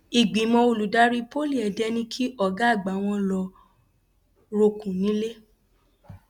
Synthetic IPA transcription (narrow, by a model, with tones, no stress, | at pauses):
i˨ɡ͡bĩ˨˦mɔ̃˧o˨lu˨da˦ɾi˦po˦li˦˨ɛ˨dɛ˦nĩ˦kʰi˦ʔɔ˦˨ɡa˦˨ɡ͡ba˨˦w̃ɔ̃˧lɔ˧ | ɾo˧kũ˨nĩ˨˦le˦